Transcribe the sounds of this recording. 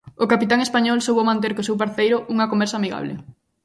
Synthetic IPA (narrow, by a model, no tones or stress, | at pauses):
okapit̪aŋespaɲɔlsowβomãnt̪̬eɾkosewpaɾθejɾʊʔuŋɐkombɛɾsamiɣa̰β̞lḛ